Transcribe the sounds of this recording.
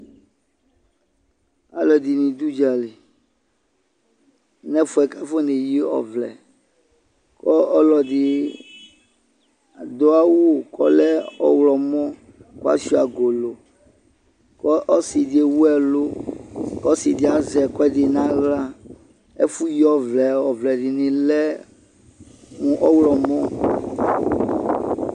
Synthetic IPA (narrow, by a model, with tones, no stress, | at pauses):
a̰˨lɔ˨di˨nĩ˨d̪u˦d͡ʒa˨le˨ | nɛ̃˦fu˦ɛ˨ka˦fo˦ne˨ji˦ɔ̰˨vlɛ̰˨ | kɔ˦ɔ˦lɔ˨ɖi˨ | d̪o˦a˦wu˦˨kɔ˦lɛ˦ɔ̰˨wlɔ˨mɔ̃˦ | ko˦a̰˦si˦a˨ɡo˨lo˨ | kɔ˦ʔɔ˦si˨de˨wu˦ɛ˨lo˦kɔ˦si˨di˨a˨zɛ˨kɔ˦ɛ˦ɖi˨nã˦ɣla˦ | e˦fu˦ji˦ɔ˦vlɛ˨ɔ˨vlɛ˨ɖi˨nĩ˨lɛ˦ | ŋũ˨ʔɔ˦wlɔ˨mɔ̃˦